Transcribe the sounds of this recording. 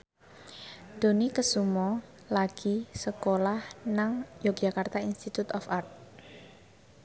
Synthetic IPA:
d̪̥o̤nikəsumɔ | laɡ̥i̤səkolahnaŋjɔk̚ʒ̥a̤kart̪ainst̪it̪ut̪ɔfart̪̚

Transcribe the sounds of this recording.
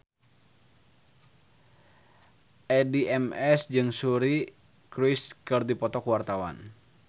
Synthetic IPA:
ʔɛdiʔɛmɛsd͡ʒɨŋsuɾi | kɾiskɨrdipɔt̪ɔkuwart̪awa̰n

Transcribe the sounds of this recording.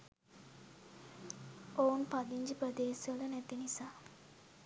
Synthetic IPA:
ounpad̪iɲd͡ʒipɾəd̪eːsʋələnɛt̪inisaː

